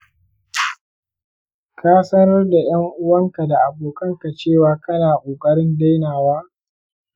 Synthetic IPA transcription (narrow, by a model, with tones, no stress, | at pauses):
kaː˦sɐ˦nɐ˦rda˨j̰ɐ˦ŋʔʊ˦wɐ˦ŋka˨da˨ʔa˨boː˨kʼɐ˦ŋka˨t͡ʃeː˦˨waː˨kɐ˦naː˨kʷʼoː˨kʼɐ˦ɾɪ˦nda˦jnaː˨waː˦